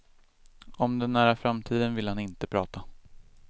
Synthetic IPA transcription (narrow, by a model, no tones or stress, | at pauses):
ɔmd̪ɛnːæːɾafɾamt̪ʰiːd̪ənvɪlhanɪnt̪əpʰɾɑːt̪a